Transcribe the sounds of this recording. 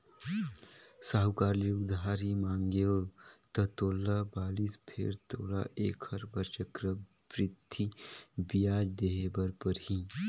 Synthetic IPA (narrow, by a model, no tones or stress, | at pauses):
saːɦʊkaːɾliʊd̪ʱaːɾimãːŋɡeot̪ɐt̪oːlabaːliːspʰḛɾt̪oːla̰ʔḛːkhɐɾbəɾt͡ʃəkɾə | pɾɪt̪ːibijaːd͡ʒd̪eːɦebəɾpəɾɦi